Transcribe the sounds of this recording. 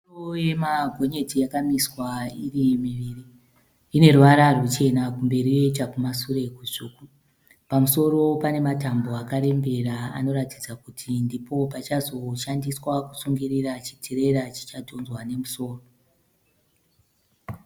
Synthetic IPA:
oje̞mabʱo̞ɲe̞tijakamiswairimiʋiriː | ne̞ruʋaɾarut͡ʃe̞nakumbe̞ɾije̞t͡ʃakumasure̞kuʐuːku | pamuso̞ro̞pane̞matambo̞akaɾe̞mbe̞ɾaa̰no̞ɾatid͡zakutʰindipo̞pat͡ʃazo̞ʃandiswaku̥suŋɡirirat͡ʃi̥tʰeɾe̞ɾat͡ʃi̥t͡ʃatʰo̞nzwane̞muso̞ːro

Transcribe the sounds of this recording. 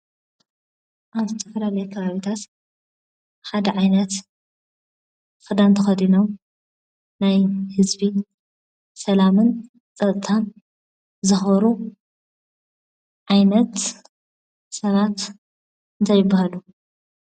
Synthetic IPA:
ʔaβzɨt̪ʰɐfɐlalɐjekʰɐβaβit̪ʰat̪ | ħad̪ɐʕajnɐt̪ | xɨd̪ant̪ʰɐxɐd̪ino̞m | najhɨzbi | sɐlamɨn | t͡sʼɐt̪ʼt̪ʰan | zɨxβɐɾu | ʕajnɐt̪ | sɐβat̪ | ɨnt̪ʰajɪbːahalu

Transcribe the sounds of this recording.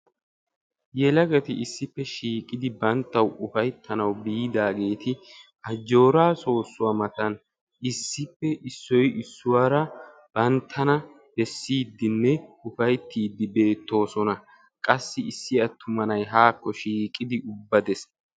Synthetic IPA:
jɛlɐɡɐt̪ɪɪsːɪpːɛʃiːkʼɪd̪ɪbɐnt̪ːɐwʊfɐjt̪ʰːɐnɐwbiːd̪aːɡe̞ːt̪ɪʔɐd͡ʒːo̞ːɾaːso̞ːsːʊwɐmɐt̪ɐn | ɪsːɪpːɛʔɪsːɔjɪsːʊwaːɾɐ | b̥ɐnt̪ʰːɐnɐ | b̥ɛsːiːd̪ːɪnːɛʊfɐjt̪ːiːd̪ːɪbe̞ːt̪ːo̞ːsɔnɐ | kʼɐsːɪɪsːɪɐt̪ʰːʊmɐnɐjɦaːkːɔʃiːkʼɪd̪ɪʔʊbːɐd̪ɛs

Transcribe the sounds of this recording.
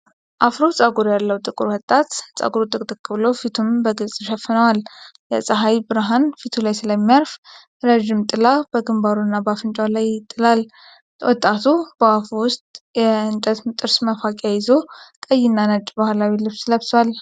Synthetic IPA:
ʔafɾot͡sʼaɡuɾjalːəwt̪ʼɨkʼɨɾhɔt̪ʼːat̪sʼa̰ɡuɾut̪ʼɨkʼt̪ʼɨkʰːɨβlofit̪ʰumbəɡɨlsʼʃɛfɨnəwaljɛ̰sʼəɦajbɨɾɦanfit̪ʰulajsɨləmːijaɾf | ɾəʒɪmt̪ʼɨlab̥əɡɨmbaɾunːabafɨnt͡ʃʼawlajɪt̪ʼːɨlal | wɔt̪ʼːat̪ʰubəwafuwʊst̪ʼjɛɨnt̪ʼət̪mt̪ʼɨɾsməfakʼjajɪzo̞kʼəjːɪnːanət͡ʃʼbahlawilɨβsɨləbswal

